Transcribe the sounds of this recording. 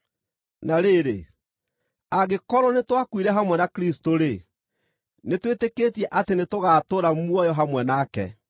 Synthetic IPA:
naɾeɾḛ | aɣekɔɾɔnetwakwiɾɛɦamwɛnakɾistoɾe | netwetekeːtiɛʔatenetoɣaːtoɾamuɔjɔɦamwɛnaːkɛ̰

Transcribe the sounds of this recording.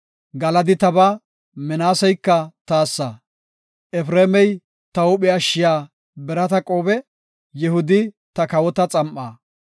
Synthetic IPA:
ɡɐlɐd̪ɪt̪ɐbɐ | mɛnaːsɛjkːɐt̪aːsːɐ | ʔɛfɾeːmɛj | t̪ɐʊɓɪɐʃːɪjaː | bɛɾɐt̪ɐkʼoːbɛ | jɛhʊd̪ɪ | t̪ɐkɐwɔt̪ɐt͡sʼɐmʔaː

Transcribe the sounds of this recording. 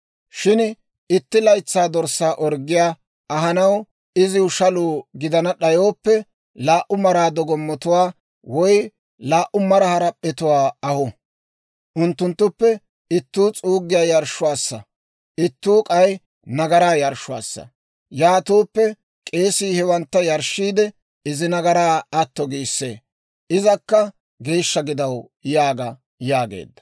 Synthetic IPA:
ʃɪn | ɪt̪ːɪlɐjt͡sːaːd̪ɔɾsːaːʔɔɾɡɪjaː | ɐɦɐnɐw | ɪzɪʊʃɐluːɡɪd̪ɐnɐɗɐjo̞ːpːɛ | laːʔʊmɐɾaːd̪ɔɡɔmːɔt̪ʊwaː | wɔj | laːʔʊmɐɾɐhɐɾɐpʼːɛt̪ʊwaːɐhɔ | ʔʊnt̪ːʊnt̪ːʊpːɛ | ɪt̪ːuːt͡sʼuːɡɪjaːjɐɾʃːʊwaːsːɐ | ʔɪt̪ːuːkʼɐj | nɐɡɐɾaːjɐɾʃʊwa̰ːsːɐ̰ | jaːt̪uːpːɛ | kʼe̞ːsiːhɛwɐnt̪ːɐjɐɾʃːiːd̪ɛ | ɪzɪnɐɡɐɾaːɐt̪ːɔɡiːsːeː | ɪzɐkːɐ | ɡe̞ːʃːɐɡɪd̪ɐw | jaːɡɐ | jaːɡḛːd̪ːɐ̥

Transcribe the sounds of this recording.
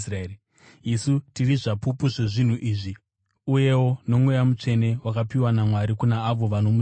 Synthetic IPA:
sr | isutiriʐapupuʐe̞ʐin̤uʔiːʐi | uje̞wo̞no̞mwe̞jamut͡ʂe̞ne̞wakapiwanamwaɾikunaːʋo̞ʋano̞mu

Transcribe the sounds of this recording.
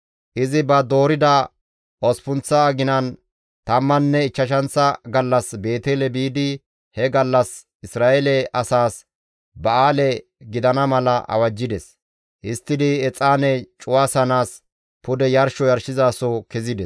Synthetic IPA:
ʔɪzɪbɐd̪o̞ːɾɪd̪ɐ | ʔɔspʊnt͡sːɐːɡɪnɐn | t̪ɐmːɐnːɛɪt͡ʃːɐʃɐnt͡sːɐɡɐlːɐsbe̞ːt̪eːlɛbiːd̪ɪ | hɛɡɐlːɐs | ɪsɾaːɛlɛɐsaːs | bɐʔaːlɛ | ɡɪd̪ɐnɐmɐlɐʔɐ̰wɐd͡ʒːɪd̪ɛs | ʔɪst̪ːɪd̪ɪɛt͡sʼaːnɛt͡ʃʼʊwaːsɐnaːs | pʊd̪ɛjɐɾʃɔjɐɾʃɪzaːsɔkɛzɪd̪ɛs

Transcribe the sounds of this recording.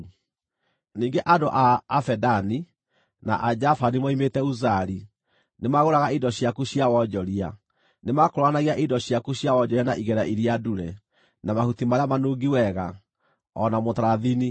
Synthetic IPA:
niːŋɡeʔadoʔaːfɛdani | na̰ʔad͡ʑafanimaimetɛuzaɾi | nemaɣoɾaɣaidɔɕiakuɕiawɔd͡ʒɔɾia̰ | nemakoɾwanaɣiaʔidɔɕjakuɕiawɔd͡ʒɔɾianaʔiɣɛɾaʔiɾiaduɾɛ | namahutimaɾeamanoːɡiwɛɣa | ɔ̰namotaɾaðini

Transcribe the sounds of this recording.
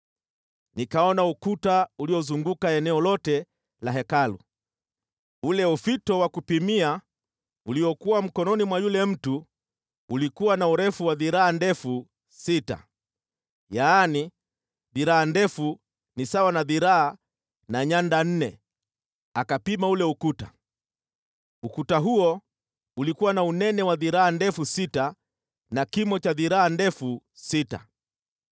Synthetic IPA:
nikaɔnaukutauliɔzuŋɡukaɛnɛɔlɔtɛ | laɦɛkalṵ | ulɛufitɔwakupimia | uliɔkuwam̩kɔnɔnimwajulɛm̩tu | ulikuwanauɾɛfuwaðiɾaːndɛfu | sita̰ | jaːni | ðiɾaːndɛfu | nisawanaðiɾaa | naɲandan̩nɛ | akapimaulɛukuta̰ | ukutaɦuɔ | ulikuwanaunɛnɛwaðiɾaandɛfusita | nakimɔt͡ʃaðiɾaandɛfusita̰

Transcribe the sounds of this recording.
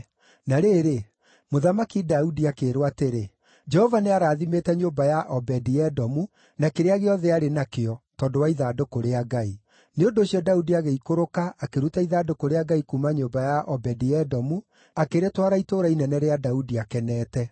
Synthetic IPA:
naɾeɾe | moðamakidaudiakeɾwateɾe | d͡ʒɛhɔvaneaɾaːðimetɛɲombajaʔɔbɛdiɛdɔmu | nakeɾeaɣeɔðɛaɾenakeɔtɔːdowaiðadokoɾeaɡai | neondoːɕiɔdaudiaɣeikoɾokaʔakeɾutaiðadokoɾeaɡaikumaɲombajaʔɔbɛdiɛdɔmu | akeɾetwaɾaitoɾainɛnɛɾeadaudiakɛnɛːtɛ

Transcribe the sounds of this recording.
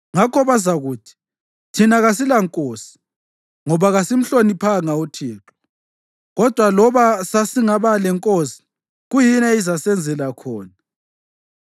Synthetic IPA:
ŋakʰɔβazaɣuːtʰi̥ | tʰinaɣasilaŋkʼoːsi̥ | ŋɔβaɣasim̩ɬonipʰaŋautʰiːǁɔ̥ | ɣɔd̥ʱwalɔβasasiŋaβalɛŋkʼosi̥ | ɣujinɛizasɛnd͡zʱɛlakʰɔːna

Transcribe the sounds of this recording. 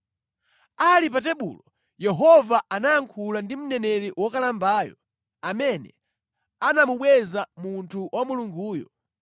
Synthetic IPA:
alip̬atɛɓṵlɔ | jɛɦɔvaanajaŋkʰulandim̩nɛnɛɾiwɔkalambaːjɔ̰ | amɛnɛ | anamuɓwɛzamuntʰuwʔamuluŋɡuːjɔ̰

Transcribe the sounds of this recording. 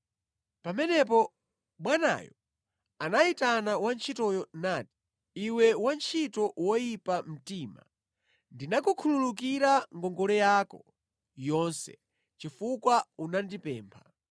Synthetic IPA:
pamɛnɛp̬ɔ | ɓwana̰jɔ | anaitanawant͡ʃʰitɔjɔnati̥ | iwɛwant͡ʃʰitɔwɔjipam̩tiːma̰ | ndinakukʰululuk̬iɾaŋɡɔŋɡɔlɛjaːkɔ | jɔnsɛ̰ | t͡ʃifukwaunandipɛːmpʰa

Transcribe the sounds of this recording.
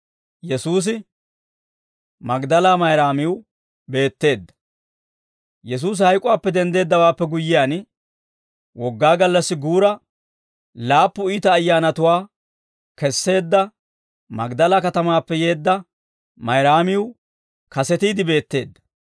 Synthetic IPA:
jɛsuːs̬ɪ | mɐɡd̪ɐlaːmɐjɾaːmɪwʊ | be̞ːt̪ːe̞ːd̪ːɐ̥ | jɛs̬uːs̬hɐjkʼʊwaːpːɛd̪ɛnd̪e̞ːd̪ːɐwaːpːɛɡʊjːɪjaːn | wɔɡːaːɡɐlːɐsːɪɡuːɾɐ | laːpːʊiːt̪ɐːjːaːnɐt̪ʊwaː | kɛsːe̞ːd̪ːɐ | mɐ̰ɡd̪ɐlakɐt̪ɐmaːpːɛje̞ːd̪ːɐ | mɐjɾaːmɪʊ | kɐsɛt̪iːd̪ɪbe̞ːt̪ːe̞̰ːd̪ːɐ̥

